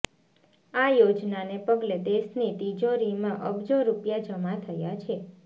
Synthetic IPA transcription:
ajod͡ʒnanepəɡled̪eʃnit̪id͡ʒoɾimãʔəbd͡ʒoɾupjad͡ʒəmat̪ʰəjat͡ʃʰe

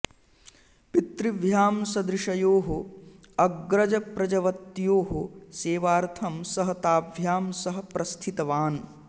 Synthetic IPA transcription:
pit̪ɾiʋjaːmsɐd̪ɾɪʂɐjoːɦo | ɐɡɾɐd͡ʒɐpɾɐd͡ʒɐʋɐt̪ːjoːɦoseːʋaːɾt̪ʰɐmsɐɦɐt̪aːbʱjaːmsɐɦɐ̆pɾʔɐst̪ʰit̪ɐʋaːn

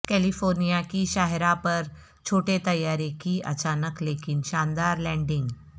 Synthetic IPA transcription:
kɛlifoɾnijakiɕaɦɾapəɾ | t͡ɕʰoʈet̪əjːaɾekiːʔə̰t͡ɕanəklekinɕand̪aɾlɛ̃ɳɖiŋɡ

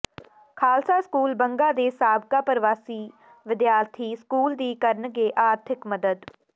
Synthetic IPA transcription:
kʰaːlsaːskuːlbəŋɡaːd̪eːsaːbkaːpəɾɪʋaːsiː | ʋɪd̪jaːɾt̪ʰiːskuːld̪iːkəɾnɡeːʔaːɾt̪ʰɪkməd̪əd̪

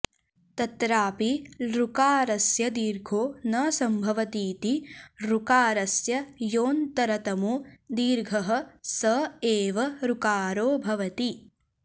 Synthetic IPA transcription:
t̪ɐt̪ɾaːpiɾukaːɾɐsjɐd̪iːɾɡʱoːnɐsɐmbʱɐʋɐt̪iːt̪iɾukaːɾɐsjɐjoːnt̪ɐɾɐt̪ɐmud̪iːɾɡʱɐɦɐ̆sɐeːʋɐɾukaːɾoːbʱɐʋɐt̪i

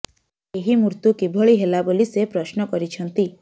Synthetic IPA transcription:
eɦimuɾt̪ukibʱɔɭiɦelabolisepɾɔʃnɔkɔɾit͡ʃʰɔnt̪i

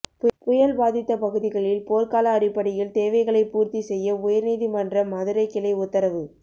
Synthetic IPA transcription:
ppʊjɐlbaːðɪt̪ːɐpɐɣɯðɪɣɐɭɪlpoːɾkaːlɐːrɪpːɐɽɪjɪlt̪eːʋɐɪɣɐɭɐɪpuːɾt̪isɛjːɐʊjɐɾniːðimɐndrɐmɐðɯɾɐɪkːɪlɐɪʊt̪ːɐɾɐʋɯ

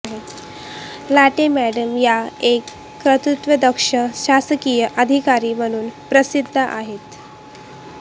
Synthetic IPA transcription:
ɦe | laʈemæɽəmjaekː | ɾət̪ut̪ʋəd̪əkʂəɕasəkijəʔəd̪ʱikaɾiːm̤əɽ̃uːnpɾəsid̪ʱːəʔa̰ɦet̪

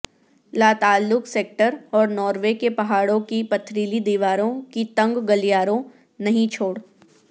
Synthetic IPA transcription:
laːt̪aːlːʊkseːk̚ʈəɾɔːɾnɔːɾʋekepɐɦaːɽõkipɐt̪ʰɾiːlid̪iːʋaːɾõkit̪ɐ̃ŋɡɡɐlijaːɾõ | nɐɦĩt͡ʃʰoːɽ

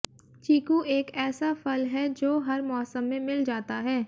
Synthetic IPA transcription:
t͡ʃiːkuʔeːkɛːsafɐlɦɛd͡ʒoːɦɐɾmɔːsəmːẽmɪld͡ʒaːt̪aɦɛː

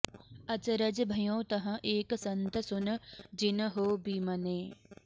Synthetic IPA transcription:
ɐt͡ʃɾəd͡ʒbʱɐjõːt̪ɐɦɐ̃ʔeːksɐ̃nt̪əsʊnd͡ʒɪnɦoːbiːmɐneː

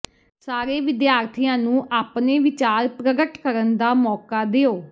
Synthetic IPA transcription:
saːɾeːʋɪd̪jaːɾt̪ʰijãːnũːʔaːpneːʋɪt͡ʃaːɾpɾəɡəʈkəɾənd̪aːmɔːkaːd̪eːoː

